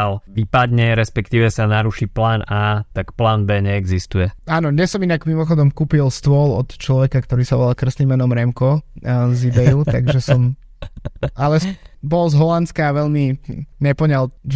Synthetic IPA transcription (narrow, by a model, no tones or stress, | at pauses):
lʋipad̪ɲɛɾɛspɛkt̪iːʋɛsanaɾuʃiplaːnaːt̪akplaːnbɛːɲɛːɡzist̪ujɛaːnɔɲɛsɔminaɡmimɔxɔd̪ɔmkuːpilst̪ʊɔlɔ̰t̪t͡ʃlɔʋɛkakt̪ɔɾiːsaʋɔlalkr̩snimːɛnɔmɾɛmkɔzibɛjut̪a̰ɡʒɛsɔm | alɛsbɔlzɦɔlant̪skaːʋɛʎmiɲɛpɔɲal